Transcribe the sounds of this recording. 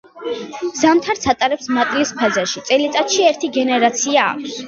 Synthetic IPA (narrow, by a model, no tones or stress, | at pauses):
z̥amt̪ʰaɾt̪sʰat̪ʼaɾɛpsmat̪ʼlispʰazaʃit̪sʼɛlit̪ʼat̪ʃiɛɾt̪ʰiɡɛnɛɾat̪sʰia̰ːk̚ʷʰs